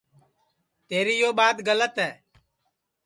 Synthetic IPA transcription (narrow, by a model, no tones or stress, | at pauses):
t̪eːɾiːjoːɓaːd̪ɡələt̪ɦɛː